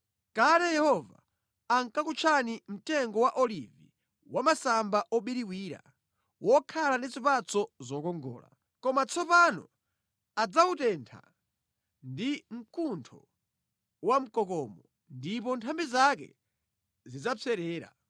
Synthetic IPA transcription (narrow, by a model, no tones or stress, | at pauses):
kaɾɛjɛhɔva̰ | aŋkakut͡ʃʰanim̩tɛŋɡɔwaʔɔlḭvi | wamasambaʔɔɓiɾiwiːɾa̰ | wʔɔkʰalandit͡sipat͡sɔzɔkɔŋɡɔ̰ːla̰ | kɔmat͡sʰɔpanɔ̰ | ad͡zautɛntʰa̰ | ndim̩kuntʰɔ | wam̩kɔkɔːmɔ | ndip̬ɔntʰambizak̬ɛ̰ | zid͡zap͡fʰɛɾɛːɾa̰